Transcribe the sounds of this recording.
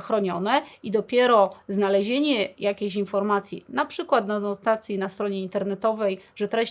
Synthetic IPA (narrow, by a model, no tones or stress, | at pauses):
xɾɔɲɔnɛid̪ɔpʲjɛɾɔznalɛʑeɲɛjakʲeɕinfɔɾmat̪sʲjḭnapʂɘkwat̪nanɔt̪at̪sʲjinast̪ɾɔɲɛint̪ɛɾnɛt̪ɔvɛjʐɛt̪ɾɛ